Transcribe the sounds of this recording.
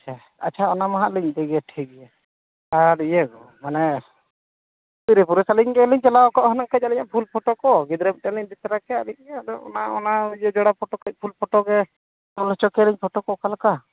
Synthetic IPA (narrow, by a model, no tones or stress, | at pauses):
at͡ʃʰa | a̰t͡ʃʰaɔnamaɦaʔliɲt̪ɛɡɛʈʰikɛja | aɾijɛɡɔ | manɛ | tiɾɛpuɾɛsaliɲkɛliɲt͡ʃɛlaɔkaʔɦɔnakac̚aliɲaʔpʰulpʰɔʈɔkɔɡid̪ɾɛm̚ʈɛliɲd̪it̪aɾakɛaliɲ̚d̪ɔɔ̰naɔnaɛd͡ʒɔɽapʰɔʈɔkɛc̚pʰulpʰɔʈɔɡɛ | ɔlɔt͡ʃɔkɛliɲpʰɔʈɔkɔkalka